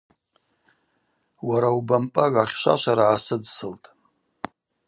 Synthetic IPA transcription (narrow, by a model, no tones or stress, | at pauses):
waɾaubampʼaɡaχʲʃʷa̰ʃʷaɾaʕasɨdsɨltʼ